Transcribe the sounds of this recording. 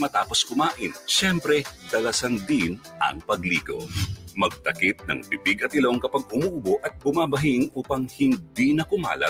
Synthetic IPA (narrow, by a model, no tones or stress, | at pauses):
mɐt̪aːpo̞skʊmaːʔɪnʃɛmpɾɛd̪ɐlɐsand̪ɪnʔɐ̰ŋpɐɡliːɡo̞̰mɐɡ̚t̪ɐkit̪̚nɐ̰ŋpɪbiɡɐt̪ɪlo̞ŋkɐpɐɡ̚ʊmuːʔʊboʔɐt̪̚bʊmabɐɦɪŋʔuːpɐŋhɪndd̪inɐkʊma̰ːlɐ̰